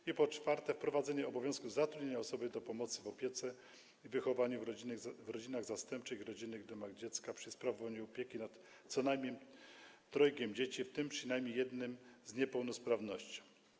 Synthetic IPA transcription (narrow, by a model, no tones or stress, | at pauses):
ipɔt͡ʂfaɾt̪ɛfpɾɔvad̪zɛɲɛɔbɔvʲjɔ̃skuvzat̪ɾud̪ɲeɲaɔsɔbɘd̪ɔpɔmɔt̪sɘvɔpʲjɛt̪sɛ | ivɘxɔvaɲuivɾɔd͡ʑinaɣzast̪ɛmp̚t͡ʂɘxiɾɔd͡ʑinɘɣd̪ɛmaɣd͡ʑɛt̪skapʂɘspɾavɔvaɲuɔpʲjekʲinat̪ | sɔnajmʲɲɛmt̪ɾɔjkʲɛmd͡ʑet͡ɕift̪ɘmpʂɘnajmʲɲejɛd̪nɘmzɲɛpɛwnɔspɾavnɔɕt͡ɕi̥